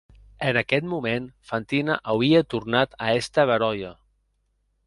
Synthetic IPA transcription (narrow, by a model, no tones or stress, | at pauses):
ənəkɛt̪mumenfant̪inə̰ʔawiət̪urnat̪əɛst̪əβəɾɔjə